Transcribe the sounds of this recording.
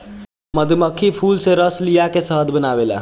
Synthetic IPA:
məd̪ʱməkʰipʰuːlseɾəslijakesəɦəd̪bənaːʋela̰

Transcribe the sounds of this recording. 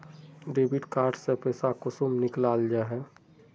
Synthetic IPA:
ɖeːbɪʈkaːɾʈsepɛːsakʊsumnɪklaːld͡ʒaɦɛː

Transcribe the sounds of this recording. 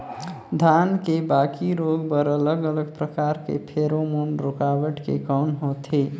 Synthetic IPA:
d̪ʱankebakiɾoɡbəɾələɡələɡpɾəkaɾkḛpʰeɾomoɳɾokawəʈkḛkaːnɦot̪ʰe

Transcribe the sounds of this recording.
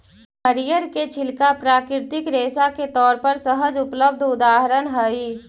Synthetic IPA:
ɦəɾijəɾket͡ʃʰɪlkapɾaːkɾɪɾt̪ɪkɾeːsaket̪ɔːɾpəɾsəɦəd͡ʒʊpləb̚d̪ʱʊd̪aːɦəɾənɦəiː

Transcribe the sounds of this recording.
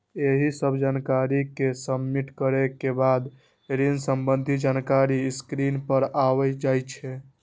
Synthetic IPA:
eɦisəbʱd͡ʒankaɾikesəbmiʈkəɾekebad̪ | ɾinsəmbənd̪ʱid͡ʒankaɾiskɾinpəɾaʋɛd͡ʒajt͡ʃʰɛ

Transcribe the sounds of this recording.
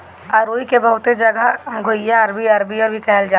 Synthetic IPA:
ɐɾoːikebəɦʊt̪ed͡ʒɐɡəɦɡʱojaɐɾbiɐɾbiəɾbʱikɛːld͡ʒaː

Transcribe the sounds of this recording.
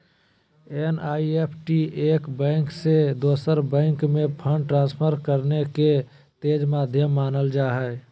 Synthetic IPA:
enaːiepʰʈiʔeːkbɛ̃ːŋksed̪oːsəɾbɛ̃ːŋkmẽpʰə̃ɳɖʈɾãːnspʰəɾkəɾneke | t̪eːd͡ʒmaːd̪ʱjəmːaːnəld͡ʒaːɦɛː

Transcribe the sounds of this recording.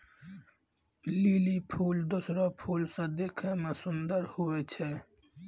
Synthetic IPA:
lilipʰuld̪osɾɔpʰulsə̃d̪ekʰemesʊnd̪əɾhuet͡ʃʰe

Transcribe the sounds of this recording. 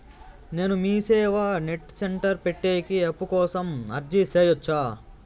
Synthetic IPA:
ne̞ːnumiːsɛːʋɐneʈseɳʈɐɾpeʈːeːkiɐpːukɔːsɐmɐɾd͡ʒiseːjot͡ʃːaː

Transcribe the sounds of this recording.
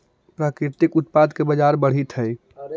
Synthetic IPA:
pɾaːkɾɪt̪ɪkʊt̪paːd̪kebɐd͡ʒaːɾbɐɽ̤it̪ɦɛː

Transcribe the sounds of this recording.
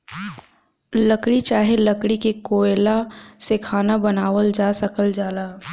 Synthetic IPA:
ləkɽit͡ʃaːɦeləkɽikekoːelasekʰaːnabɐnaːʋəld͡ʒaːsəkəld͡ʒaːlaː

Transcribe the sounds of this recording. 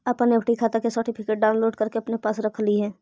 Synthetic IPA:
ɐpəneːfʰʈikʰaːt̪akesəɾʈipʰɪkeːʈ̚ɖaːʊnloːɖkɐɾkeɐpnepaːsɾɐkʰliɦɛ̃ː

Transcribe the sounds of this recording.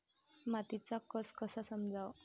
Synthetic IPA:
mat̪it͡sakəskəsasəmd͡zʱaw

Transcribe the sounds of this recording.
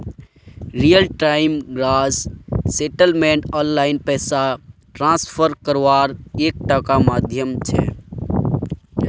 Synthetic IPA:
ɾijəlʈaːɪmɡɾaːsseʈəlmẽɳʈɔːnlaɪnpɛːsaʈɾãːspʰəɾkəɾʋaːɾeːk̚ʈakamaːd̪ʱjəmt͡ʃʰɛ̰

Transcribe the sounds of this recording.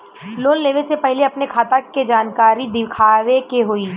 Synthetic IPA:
loːnleːʋesepɛɦleɐpnekʰaːt̪aked͡ʒaːnkaːɾid̪ɪkʰaːʋekeɦoiː

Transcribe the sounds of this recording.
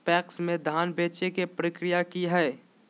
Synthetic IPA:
pɛːksmẽd̪ʱaːnbeːt͡ʃekepɾɪkɾɪjakiɦɛː

